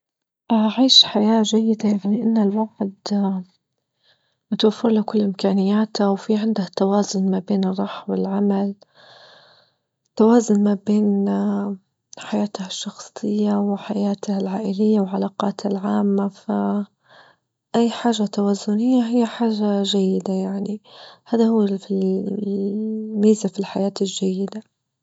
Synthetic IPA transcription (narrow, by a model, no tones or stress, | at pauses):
ʔaʔaʕiːʃħajaːʒajːɪd̪ajnɪʔanːalwaʕd̪ | mʊt̪wafːɪɾlakʊlːʔɪmkaːnɪjːaːt̪awfiʕɪnd̪aht̪ːawaːzʊnmabeːnɨrˤːɑːħwɪlʕamal | t̪ːawaːzʊnmabeːn | ħajaːt̪haʃːɑxsˤɨjːawɪħajaːt̪halʕaːʔɪlɪjːawlʕalaːqɑːt̪halʕaːmːafa | ʔajːħaːʒːat̪awaːzːʊnɪjːaɦɪjːaħaːʒːaʒajːɪd̪ajaʕnihaːðahuwːfi | miːzafilħajaːt̪ɪlʒajːɪd̪a